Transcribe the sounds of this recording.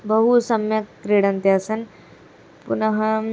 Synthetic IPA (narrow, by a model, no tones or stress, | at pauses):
bɐɦusɐmjɐt̪kɾiːɽɐ̃nt̪jaːsɐn | pʊnɐɦɐm